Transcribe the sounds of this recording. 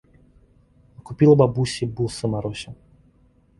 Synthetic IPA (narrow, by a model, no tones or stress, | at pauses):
ɐkupʲilˠɐbabusʲibulˠsəmaɾɔsʲɪ